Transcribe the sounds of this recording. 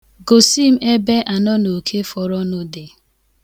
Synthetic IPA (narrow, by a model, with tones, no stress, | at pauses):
ɡo˨si˦m̩˦e˦be˦ʔa˨nɔ˦no˨kʰe˦fɔ˨ɾɔ˦nʊ˦dɪ˨